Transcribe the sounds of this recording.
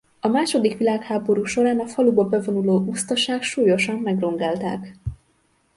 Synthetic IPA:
ɒmaːʃo̞d̪ikʋilaːkhaːbo̞ɾuːʃo̞ɾaːnɒfɒlubɒbɛvo̞nuloːʔust̪ɒʃaːkʃuːjo̞ʃɒmːɛɡro̞ŋɡaːlt̪aːk

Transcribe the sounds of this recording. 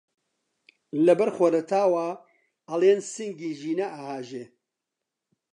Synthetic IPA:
lɐbɐɾxwɐɾɐt̪ʰaːwaː | ɐleːnsɨŋɡiːʒiːnɐʔaːhaːʒeː

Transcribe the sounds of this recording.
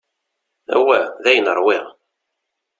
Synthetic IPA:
æ̰wæðæjənəɾˤwiʁ

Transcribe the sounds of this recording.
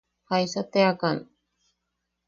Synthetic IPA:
hajsat̪eakan

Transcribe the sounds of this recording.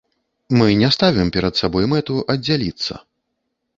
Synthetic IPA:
mɨnʲɛst̪avʲɛmpʲɛɾɐt̪sabɔjmɛt̪uʔɐd͡zʲːalʲit̪sːɐ̰

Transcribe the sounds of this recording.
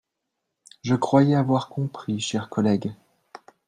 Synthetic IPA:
ʒəkχwajɛavwaʁkɔ̃pχiʃɛʁkɔlɛɡ

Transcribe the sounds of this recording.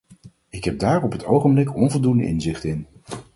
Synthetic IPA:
ɪkɦɛb̚daːɹɔpɦətowχəmblɪkʰɔnvɔlˠdundə̰ʔɪ̰nzɪχtɪn

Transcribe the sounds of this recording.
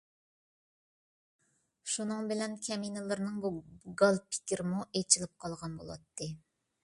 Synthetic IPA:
ʃunɨŋbɪlɛnkʲʰɛminɨlˠɨɾnɨŋbuɡɑlˠpʰi̥kʲiɾɪmuʔet͡ʃʰilɪp̚qʰɑlˠʁɑnbo̰lˠɑ̰t̪ʰːɨ

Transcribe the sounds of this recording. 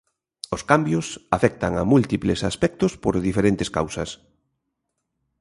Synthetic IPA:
oskambjʊsafɛk̚t̪aŋamult̪iplesaspɛk̚t̪ʊspoɾðifeɾent̪eskawsɐs

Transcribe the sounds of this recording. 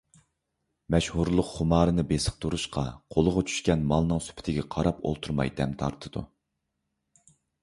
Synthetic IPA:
mɛʃhuɾlˠʊqχʊmɑːɾɨnɨbesə̥q̚t̪ʰuɾuʃqɑqʰolˠʊʁɑt͡ʃʰy̥ʃkʲɛnmɑlˠnɨŋsy̥pʰɪ̥t̪ʰɪɡʲɛqʰɑɾɑpo̰lˠt̪ʰuɾmɑ̰jd̪ɛmt̪ʰɑ̰ɾt̪ʰɨd̪̥ṵ

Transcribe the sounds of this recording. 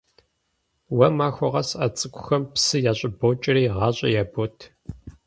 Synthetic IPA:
wɐmaːxʷɔʁɐsɐt͡sʼɨkʷʰʼʊxɐmpsɨjaːɕʼɪbot͡ʃʼɪriːʁɑːɕʼɐjaːbotʰ

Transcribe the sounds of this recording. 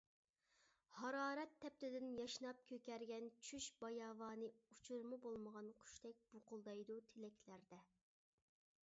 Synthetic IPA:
hɑɾɑːɾɛt̪ʰːɛp̚t̪ɪd̪ɪnjɑʃnɑp̚kʲʰøkʲɛɾɡʲɛnt͡ʃʰyʃbɑjɑːvɑːnɨut͡ʃʰuɾmɨbolˠməʁɑnqʰy̥ʃt̪ʰɛk̚ʲb̥oqʊlˠd̪ɑjd̪ut̪ʰelɛkʲʰlæɾd̪ɛ

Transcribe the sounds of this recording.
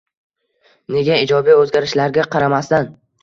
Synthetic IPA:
ne̞ɡʲaɪd͡ʒɒbijɵzɡʲaɾɪʃlaɾɡʲaqʰɑɾamast̪an

